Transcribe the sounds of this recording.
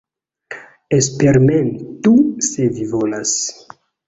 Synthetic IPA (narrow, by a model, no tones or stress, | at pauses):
es̬peɾmentusevivolas